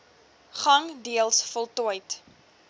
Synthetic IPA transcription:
χɐŋdiəlˠsfɔlˠtuəjt

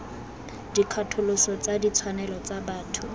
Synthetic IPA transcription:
dikʰatʰʊlʊsɔt͡sadit͡sʰwanɛlɔt͡sabaːtʰʊ

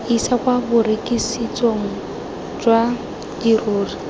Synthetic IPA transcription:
isakwabʊɾekʼisit͡sʼoŋ̩ | d͡ʒwa | diroːri

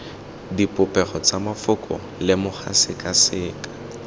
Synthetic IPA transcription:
dipʼʊpʼɛχɔt͡samafʊkʼɔ̰ | lɪmʊχa̰sɪkʼasɪːkʼḁ

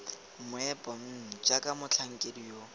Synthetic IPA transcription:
mʊɛpʼɔm̩n̩t͡ʃakʼamʊt͡ɬʰaŋ̩kʼedijo

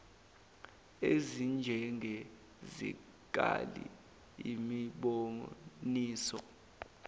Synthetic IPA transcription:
ezind͡ʒʱɛŋʱɛ | zḭ | k̬ʼalḭ | imiɓoniːsɔ

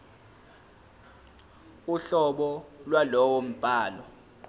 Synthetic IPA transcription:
uɬɔɓɔlwalɔwom̩b̥ʱaːlɔ

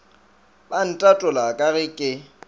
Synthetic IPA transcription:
ban̩tʼatʼʊlakʼaɣɪkʼɪ

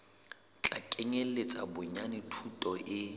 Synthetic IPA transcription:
t͡ɬʼakʼeŋelet͡sʼabʊɲanɪtʰutʼɔʔɪ

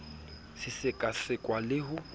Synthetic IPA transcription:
sɪsɪkʼaɬɪkʼwalɪɦʊ

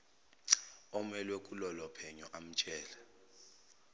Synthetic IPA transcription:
ɔmɛlwekʼulɔlɔpʰɛɲɔʔam̩t͡ʃʼɛːlɛ

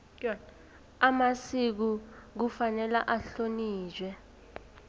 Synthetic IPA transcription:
amasik̬uk̬ufanɛla̰ʔaɬoniːʒʱwɛ

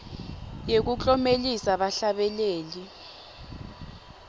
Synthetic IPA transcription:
jek̬ut͡ɬʼɔmelisaɓaɬaɓɛleːli

